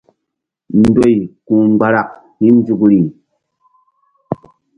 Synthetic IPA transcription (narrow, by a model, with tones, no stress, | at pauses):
n̩˦do˦˨jku˨ŋ͡mɡ͡ba˦ɾa˨k̚ | ni˦n˦d͡ʒu˨kɾi˨